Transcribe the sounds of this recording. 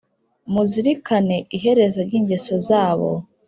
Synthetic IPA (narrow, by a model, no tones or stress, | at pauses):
muziɾikane̞ʔiɦe̞ɾe̞zoɾɟiːɲɟe̞so̞zaːβo̞̰